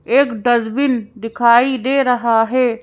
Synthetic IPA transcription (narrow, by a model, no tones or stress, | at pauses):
eːkɖɐzbɪnd̪ɪkʰaːid̪eːɾɐɦaɦeː